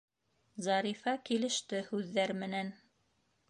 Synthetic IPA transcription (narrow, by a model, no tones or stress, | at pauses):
zɑɾifɑkilɘ̆ʃt̪ɘhʉðːæɾmɘ̆næn